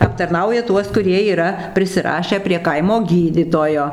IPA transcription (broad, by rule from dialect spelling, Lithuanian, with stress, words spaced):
ɐptɐrˈnɐʊjɛ ˈtuɔs kʊˈrʲiɛ iːˈrɐ pʲrʲɪsʲɪˈrɑːʃʲæː pʲrʲiɛ ˈkɐɪmoː ˈɡʲiːdʲiːtoːjoː